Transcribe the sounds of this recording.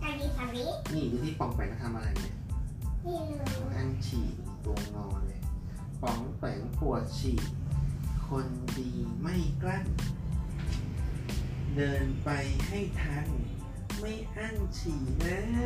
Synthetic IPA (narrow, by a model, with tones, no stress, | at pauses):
ʔa˧niː˧pʰa˧ɾi˦˥t̚niː˧˥˩duː˧t̪ʰiː˥˩pɔ˨˩˦ŋpɛː˨˩˦kːa˧t̪ʰa˧mʔa˧a˧jni˧˥˩ɐ˧˩ | ʔa˥˩nt͡ɕʰḭː˨˩t̪t̪o˧ŋnɔː˧nle˧˩ | pɔ˨˩˦ŋpɛː˨˩˦ŋpu˨˩ət̪̚t͡ɕʰiː˨˩t̪̚kʰo˧ndiː˧ma˥˩jkla˥˩ŋ | dɤː˧npa˧jha˥˩jt̪ʰa˦˧˥ŋ | ma˥˩jʔa˥˩ŋt͡ɕʰiː˨˩lɛː˦˥